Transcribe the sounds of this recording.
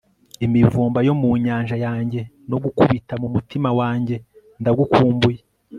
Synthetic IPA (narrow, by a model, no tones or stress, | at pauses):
imivuːmbajo̞muːɲaːɲʒajaːɲɟe̞ | no̞ɡukuβitamumutimawaːɲɟe̞ | ndaɡukʰuːmbuje